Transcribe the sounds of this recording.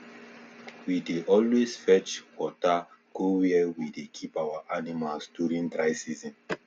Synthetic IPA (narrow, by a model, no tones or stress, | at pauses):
wideʔɔlwezfɛt͡ʃwɔtakowiɛwidekʰipawaʔanimalsduɹĩndɹajsizĩn